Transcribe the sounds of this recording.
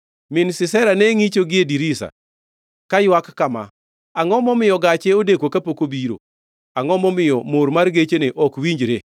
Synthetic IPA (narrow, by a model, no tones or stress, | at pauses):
mɪnsɪsɛɾanɛŋit͡ʃoɡɪediɾisa̰ | kajwakːama̰ | aŋɔmɔmɪjɔɡat͡ʃeodekwokapokobiɾo̰ | aŋɔmɔmɪjɔmoɾmarɡet͡ʃeneʔɔkwiɲd͡ʒɾe